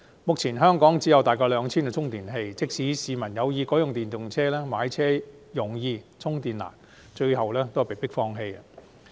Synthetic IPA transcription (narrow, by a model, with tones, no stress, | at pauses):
mʊ˨k̚t͡sʰiː˨˩nɦœː˥ŋkɔː˨˥ŋt͡siː˨˥jɐ˨˧wt̪aː˨jkɔː˧lœː˨˧ŋt͡sʰiː˥nkːt͡sʰʊ˥ŋt̪iː˨˩nɦe˧jt͡sɪ˥k̚siː˨˥siː˨˧mɐ˨˩njɐ˨˧wjiː˧kɔː˨˥jʊ˨ŋt̪iː˨nt̪ʊ˨ŋt͡sʰɛː˥lɛː˥maː˨˧˥jt͡sʰɛː˥jʊ˨˩ŋjiː˧t͡sʰʊ˥ŋt̪iː˨nla̰ː˨˩n | t͡ʃɵ˧ɥɦɐ˨wlɛː˥t̪o˥whpe˨˩jpɪ˥k̚fɔː˧ŋɦe˧jɐ˧